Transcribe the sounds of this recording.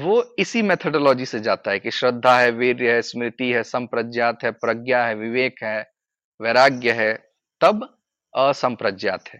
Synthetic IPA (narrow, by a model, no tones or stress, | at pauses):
ʋoːɪsimeːt̪ʰəɖoːlɔːd͡ʒised͡ʒaːt̪aɦɛkiʃɾəd̪ʱːaɦɛʋɪɾjəɦɛsmɾɪt̪iɦɛsɐ̃mpɾəd͡ʒjaːt̪ɦɛpɾɐɡjaɦɛʋɪʋeːkɦɛː | ʋeɾaːɡjəɦɛ | t̪ɐb | sɐ̃mpɾəd͡ʒjaːt̪ɦɛː